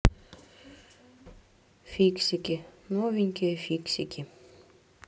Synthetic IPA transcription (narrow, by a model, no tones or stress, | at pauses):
fiksikʲinoviŋkʲefiksikʲi